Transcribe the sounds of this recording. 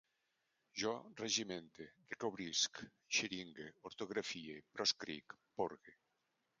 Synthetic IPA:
ʒɔreʒimẽnt̪edekoβɾisk | ʃeɾiŋɡeoɾt̪oɣɾafiepɾʔɔskɾḭkpoɾɣe

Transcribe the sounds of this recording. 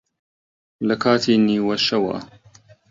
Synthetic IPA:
lɐkʰaːt̪ʰiːniːwɐʃɐwa̰

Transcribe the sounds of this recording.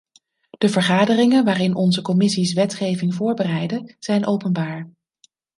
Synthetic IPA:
d̥əvəɹχaːdərɪŋənʋaːrɪnʔɔnzəkɔmɪsisʋɛtχejvɪŋvʊːɹbərɛjdəz̥ɛjnʔowpənbaːɹ

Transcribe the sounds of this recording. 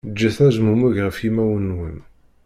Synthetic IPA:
d͡ʒːæθæzmumæʝʁəfimæwənːwən

